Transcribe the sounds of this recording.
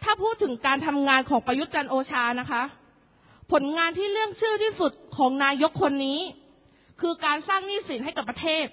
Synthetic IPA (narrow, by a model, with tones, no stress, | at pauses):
t̪ʰaː˥˩pʰuː˥˩t̪ʰːɯ˩˦ŋkaː˧nt̪ʰa˧mŋaː˧nkʰɔː˩˦ŋpɾa˧ju˦˥t̪̚t͡ɕa˧nʔoː˧t͡ɕʰaː˧na˦˥kʰa˦˥ | pʰo˩˦nŋaː˧nt̪ʰiː˥˩ɾɯ˥˩əŋt͡ɕʰɯː˥˩t̪ʰiː˥˩su˨˩t̪̚kʰɔː˩˦ŋnaː˧jo˦˥kʰːo˧nːiː˦˥ | kʰɯː˧kaː˧nsaː˥˩ŋniː˥˩si˩˦nɦa˥˩jka˨˩pːɾa˧t̪ʰeː˥˩t̪̚